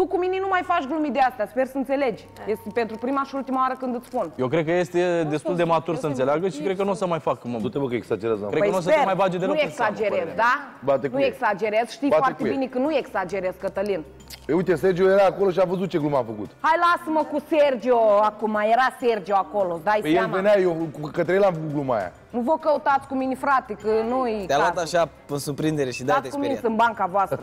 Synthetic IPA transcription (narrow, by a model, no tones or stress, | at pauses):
t̪ukuminenumajfat͡ʃɡlumid̪east̪aspe̞rsəɨnt̪se̞le̞d͡ʒʲ | jest̪pe̞nt̪ɾupɾimaʃiult̪imaoaɾəkɨnd̪ɨt̪spunjewkɾekəje̞st̪ed̪est̪uld̪emat̪ursənseleaɡəʃikɾed̪̚kənuosəmajfakmout̪ebəkeksad͡ʒeɾezkekənuos̬əmajbad͡ʒed̪enujeksad͡ʒeɾezd̪abat̪eknueksad͡ʒe̞ɾezʃt̪ijoat̪ebinekənujeksad͡ʒe̞ɾezkət̪əlin | peujt̪eserd͡ʒiojeɾaːkoloʃiavəzut̪̚t͡ʃe̞ɡlumamfəkut̪hajlasməkuserd͡ʒioakumajeɾaserd͡ʒioakolosd̪ajpejalveneajewkət̪ɾejelamfəkuɡluma̰ja̰ | nuvokəut̪at̪sʲkuminifɾat̪ekənujd̪ealwat̪aʃapɨnsuɾpɾind̪eɾeʃid̪aat̪eskuminsɨnbaŋkavoast̪ɾə